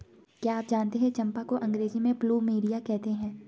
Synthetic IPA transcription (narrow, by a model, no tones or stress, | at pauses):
kjaːp̚d͡ʒaːnt̪eɦɛ̃t͡ʃɐ̃mpakoʔɐ̃ŋɡɾeːzimẽpluːmiːɖijakɛɦt̪eɦɛ̃ː